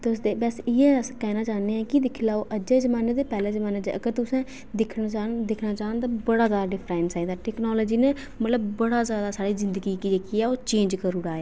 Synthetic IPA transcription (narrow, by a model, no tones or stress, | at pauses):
t̪ːsd̪eːbɛsɪjɛ̃ːəskɛːnaːt͡ʃaːneɛːkɪd̪ɪkʰlaːoːʔəd͡ʒeːzəmaːneːd̪eːpɛːleːzəmaːneːd̪ḛəɡəɾt̪ʊsɛ̃ː | d̪ɪkʰnt͡ʃad̪ɪkʰnaːt͡ʃaːənt̪̬abəɽaːzaːd̪aɖɪpʰɾɛːɪnsaːid̪aːʈɛːknoːloːd͡ʒiːneː | mət̪ləbːəɽaːzjaːd̪aːsaːɽiːzɪnd̪əɡiːkiːd͡ʒeːkiːɛːoːt͡ʃẽːɲd͡ʒkəɾʊɽaːeː